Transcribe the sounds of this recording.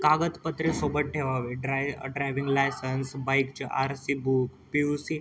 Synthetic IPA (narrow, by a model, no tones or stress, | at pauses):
kaɡət̪pət̪ɾisobəʈ̪̚ʈʰeʋaʋeɖɾajɖɾajʋiŋɡlajsənsbajkt͡ɕeʔaɾsibukpisi